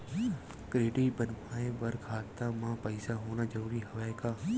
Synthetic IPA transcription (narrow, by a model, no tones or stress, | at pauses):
kɾeːʈiːbənmaːẽʋəɾkʰaːt̪aːmãːpəɪsaɦoːnaːd͡ʒɐɾuːɾiːɦɐʋaːjkaː